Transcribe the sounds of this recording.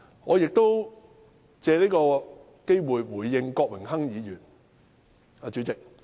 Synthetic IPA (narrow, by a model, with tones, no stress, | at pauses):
ŋɔː˨˧jɪ˨k̚t̪o˥w | t͡sɛː˨˧liː˥kɔː˧ | ke˥jwuː˨jwuː˨˩jːɪ˧ŋkɔː˧k̚wɪ˨˩ŋɦɐ˥ŋjiː˨˧jyː˨˩n | aː˨˧t͡ʃy˨˥t͡sɪ˨k̚